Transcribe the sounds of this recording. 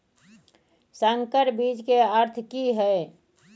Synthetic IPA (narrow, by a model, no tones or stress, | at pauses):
saŋkəɾbid͡ʒkeəɾt̪ʰkiɦɛe